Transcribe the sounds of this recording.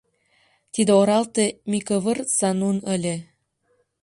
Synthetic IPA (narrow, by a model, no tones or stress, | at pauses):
t̪id̪ĕoɾɑlt̪emʲikɤβə̆rsɑnunə̆lʲĕ